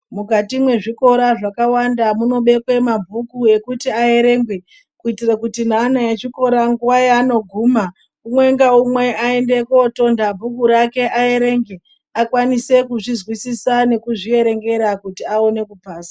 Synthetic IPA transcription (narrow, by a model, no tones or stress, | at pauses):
mukatimwe̞ʐiko̞ɾaʐakawandamuno̞ɓe̞kwe̞mabʱukue̞kutiae̞ɾe̞ːŋɡwe̞ | kuitirakutinanajet͡ʃiko̞ɾaŋɡuwajano̞ɡʱuːma | umwe̞ŋɡaumwe̞ae̞nde̞ko̞to̞ndabʱukuɾake̞ʔae̞ɾe̞ːŋɡe | akwanise̞kuʐizwisisane̞kuʐie̞ɾe̞ŋɡe̞ɾakutiaone̞kupaːsa